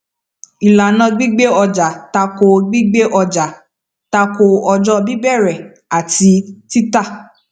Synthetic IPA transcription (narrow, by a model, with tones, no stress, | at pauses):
i˨la˨nã˧ɡ͡bi˦ɡ͡be˦ɔ˧d͡ʒa˨ta˧ko˧ɡ͡bi˦ɡ͡be˦ʔɔ˧d͡ʒa˨ | ta˧ko˧ɔ˧d͡ʒɔ˦bi˦bɛ˦˨ɾɛ˨ | a˨ti˧˦ti˦ta˦˨